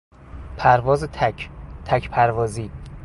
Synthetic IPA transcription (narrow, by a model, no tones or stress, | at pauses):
pʰæɾvɒːzet̪ʰt̪ʰæcʰpʰæɾvɒːziː